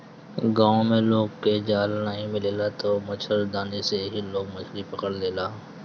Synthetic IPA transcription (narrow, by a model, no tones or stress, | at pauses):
ɡãːõmẽloːɡked͡ʒaːlnəɦĩmɪleːlat̪omɐt͡ʃʰəɾd̪aːneseɦiloːɡ̚mɐt͡ʃʰɾipɐkəɽleːlaː